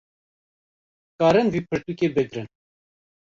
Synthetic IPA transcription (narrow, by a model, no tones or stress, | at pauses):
kɑːɾɨnvipʰɨɾt̪ukebɨɡɾɨn